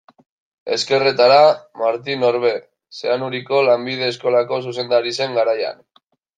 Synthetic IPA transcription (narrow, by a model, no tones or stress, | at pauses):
e̞̰ske̞re̞t̪aɾamaɾt̪ino̞ɾβe̞ | seanuɾiko̞lambið̞e̞ːsko̞lako̞s̬use̞nd̪aɾise̞ŋɡaɾaja̰n